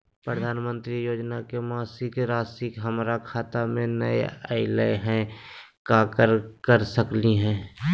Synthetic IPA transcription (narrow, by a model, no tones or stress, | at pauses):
pɾəd̪ʱaːnmə̃nt̪ɾijoːd͡ʒnakemaːsɪkɾaːsɪkɦəmɾakʰaːt̪amẽnə̰ḛə̰ɪlə̰ɦɛ̃kaːkəɾkəɾsəkliɦɛ̃ː